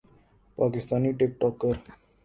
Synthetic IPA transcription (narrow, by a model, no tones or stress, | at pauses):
pakist̪aniʈek̚ʈɔkːəɾ